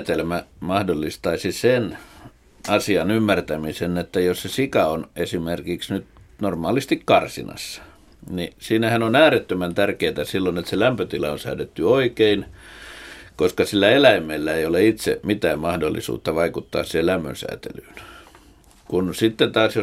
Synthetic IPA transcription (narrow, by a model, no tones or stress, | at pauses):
t̪elmæmɑhdolːist̪ɑisisen | ɑsiɑnymːært̪æmisenet̪ːæjossesikɑonesimerkiksnyt̪normɑːlist̪ikkɑrsḭnɑ̰sːɑ̥ | nḭsiːnæhænonæːret̪ːømænt̪ærkeit̪æsilːonet̪selæmpøt̪ilɑonsæ̰ydet̪ːyoikein | koskɑsilːæelæimˑelːæeijoleit̪sḛmit̪æːmmɑhdolːḭsṵːt̪ːɑʋɑikut̪ːɑ̰ːssihellæmːø̰nsæ̰ːt̪ḛlyːn | kunsit̪ːet̪ɑːsjo